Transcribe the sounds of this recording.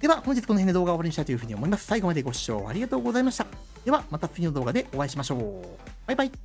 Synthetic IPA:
d̪̥e̞βahoɲ̟d͡ʑit͡sɨ̥kooend̪ed̪o̞ːɣɡaoβaɾɯit̪ait̪jɯ̟ɯ̟ːɲio̞mo̞imasɨ̥saiɡo̞mad̪e̞ɡo̞ɕi̥ɕo̞̰ːa̰ɾʲiɡat̪o̞ːɡo̞zaimaɕi̥t̪a | d̪e̞βamat̪at͡sɨɡʲind̪o̞ːɡad̪e̞ʔoβaiɕimaɕo̞ː | b̥ajbai

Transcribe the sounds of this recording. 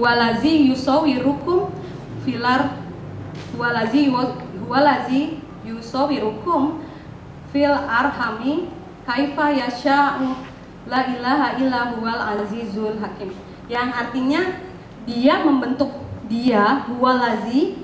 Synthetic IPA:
huwalazijusowiɾukʊm | filar | huwalaziɦualazi | jusowiɾukʊm | filarhami | kajifajaʃa | lailaɦailaɦualazizulɦakɪm | jaŋart̪iɲa | diaməmbənt̪ʊk̚diaɦualazi

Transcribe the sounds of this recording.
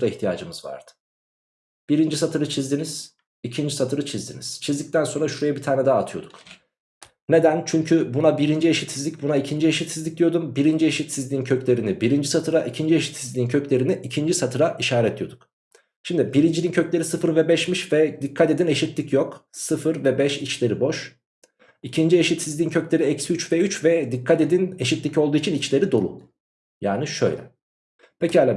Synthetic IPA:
d̪aiçt̪ʰija̰ːd͡ʒɯmɯzva̰ɾd̪̥ɯ̥ | b̥iɾind͡ʒisat̪ʰɯɾɯt͡ʃʰizd̪iniz̥ | icʰind͡ʒisat̪ʰɯɾɯt͡ʃʰizd̪ḭniz̥t͡ʃʰizd̪ic̚t̪ʰænso̞nɾaʃuɾejabit̪ʰaːnɛd̪aaːt̪ʰɯjo̞̰d̪uk | ne̞d̪ænt͡ʃʰyɲcʰybunabiɾind͡ʒieʃit̪sizʲicbunaicʰind͡ʒie̞ʃit̪sizlʲic̚d̪ijo̞d̪umbiɾind͡ʒie̞ʃit̪sizlʲiːncʰø̞clʲe̞ɾinibiɾind͡ʒisat̪ʰɯɾaʔicʰind͡ʒie̞ʃi̥t̪sizld̪ʲiːncʰø̞clʲe̞ɾiniʔicʰind͡ʒisat̪ʰɯɾaʔiʃaːɾɛt̪̚d̪ijo̞̰d̪uk | ʃimd̪ibiɾind͡ʒinincʰøclʲe̞ɾisɯfɯɾvɛbɛʃmiʃvɛd̪ikʰːat̪e̞d̪ineʃit̪lʲicjoksɯfɯɾvɛbɛʃit͡ʃlʲe̞ɾibo̞ʃ | icʰind͡ʒieʃit̪sizd̪ʲiːncʰøclʲe̞ɾiɛcsiyt͡ʃvɛyt͡ʃvɛd̪ikʰːat̪e̞d̪ineʃit̪lʲico̞lˠd̪uːit͡ʃʰinit͡ʃlʲe̞ɾid̪o̞lˠṵ | ja̰ːniʃø̰jlʲɛ̰ | pʰecialʲa

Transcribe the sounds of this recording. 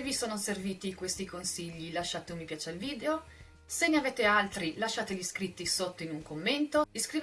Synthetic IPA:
visoːnoserviːt̪ikwest̪ikonsiʎːilaʃːaːt̪eomːipjaːt͡ʃeilviːd̪eo | senːeaveːt̪ealt̪ɾilaʃːaːt̪eʎiskɾit̪ːisot̪ːoinuŋkomːent̪oiskɾiv

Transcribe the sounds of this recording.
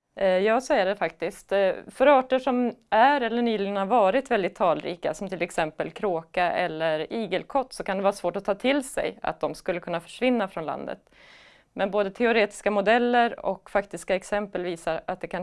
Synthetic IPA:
jɑːsɔæɖɛfakt̪ɪskt̪fœɾɑːʈəʂɔmæɾɛlːəɳyːlɪŋənhaɾvɑːɾɪt̪vɛld̪ɪt̪ʰːɑːlɾḭːka̰sɔmt̪ʰɪlɛksɛmpəlkʰɾoːkaʔɛ̰lːəɾiːɡəlkʰɔt̪ːsɔkand̪ɛvɑːɾasvoːʈɔt̪ʰɑːt̪ʰɪlsɛ̰ja̰t̪̚d̪ɔmskɵlːəkʰɵnːafœ̥ʂvɪnːafɾɔnla̰nd̪ə̰t̪ | mɛnboːd̪ət̪ʰɛʊɾeːt̪ɪ̥skamʊd̪ɛlːəɾɔ̰kfakt̪ɪskaɛksɛmpəlviːsaɾat̪̚d̪ɛkʰan

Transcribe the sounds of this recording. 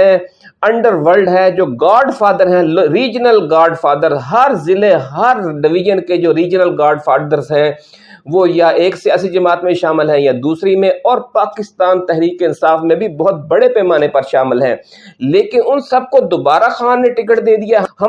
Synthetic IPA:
ɛɐ̃ɳɖəɾʋəlɖɦɛːd͡ʒoːɡaːɾɖfaːd̪əɾɦɛ̃ɾiːd͡ʒnəlɡaːɾɖfʰaːd̪əɾzɦɐɾzɪleɦɐɾɖɪʋɪd͡ʒənked͡ʒoːɾiːd͡ʒnəlɡaːɾɖfʰaːɾd̪əɾzɦɛ̃ː | ʋojaʔeːksijaːsid͡ʒɐmaːt̪mẽʃaːmɪlɦɛ̃jad̪uːsɾimẽʔɔːɾpaːkɪst̪aːnt̪ɛɦɾiːkeɪnsaːfmẽbʱibɔːʊt̪̚bɐɽepɛːmaːnepɐɾʃaːmɪlɦɛ̰̃ː | leːkɪnʊnsɐb̚kod̪oːbaːɾaxaːnːẽʈɪkəʈd̪eːd̪ijahɐ

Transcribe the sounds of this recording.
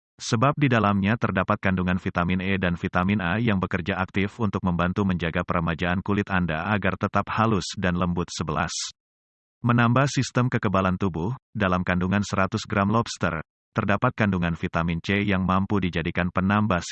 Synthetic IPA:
səbap̚didalamɲat̪ərdapat̪̚kanduŋanfit̪aminɛdanfit̪amɪnajaŋbəkərd͡ʒaʔak̚t̪ɪfunt̪ʊk̚məmbant̪uməɲd͡ʒaɡapəɾəmad͡ʒaːnkulɪt̪andaʔaɡart̪ət̪ap̚halʊsdanləmbʊt̪̚səbəla̰s | mənambahsist̪əmkəkəbalant̪ubʊhdalamkanduŋansəɾat̪ʊsɡɾamlɔpst̪ə̰r | t̪ərdapat̪̚kanduŋanfit̪amint͡ʃejaŋmampudid͡ʒadikanpənambas

